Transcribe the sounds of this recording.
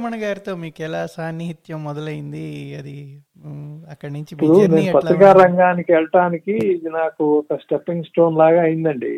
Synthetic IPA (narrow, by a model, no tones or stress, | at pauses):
mɐnɐɡaːɾit̪oːmiːkɛlaːsaːniɦit̪jɐmːɔd̪ɐlɐjind̪iɐd̪i | ɐkːɐɽnuɲɐt͡ʃipːuɽune̞ːnupɐt̪ɾikaːɾɐŋɡaːnikiʋɛɭɐʈaːnikiːd̪inaːkuɔkɐsʈepːiŋɡsʈo̞ːnlaːɡaːjind̪ɐɳɖḭ